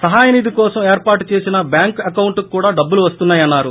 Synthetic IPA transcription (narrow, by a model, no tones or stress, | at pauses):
sɐɦaːjɐnid̪ikɔːsɐmeːɾpaːɾʈut͡ʃeːsinɐbjaːŋkɐkɐwuɳʈukːuːɽaːɖɐbːuluʋɐst̪unːaːjɐnːaːɾu